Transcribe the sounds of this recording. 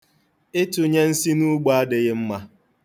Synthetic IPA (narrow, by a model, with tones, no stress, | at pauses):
ɪ˦tʊ˨ɲe˦n̩˦si˦nu˦ɡ͡ba˨a˦dɪ˨ɣɪ˦m̩˦ma˦